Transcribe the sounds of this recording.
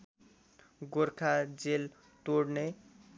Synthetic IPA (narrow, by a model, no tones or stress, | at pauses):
ɡoɾkʰad͡zel | t̪oɽne